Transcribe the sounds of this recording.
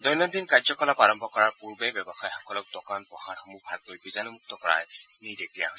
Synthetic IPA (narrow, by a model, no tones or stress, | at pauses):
dɔjnɔd̪inkazɔkɔlapaɹɔmbɔkɔɹaɹpuɹbebjɔbɔxajxɔkɔlɔk̚dɔkanpɔhaɹxɔmubʱaɡ̚koɹjbizanɔmuk̚t̪ɔkɔɹa̰j | nidekija̰ɦo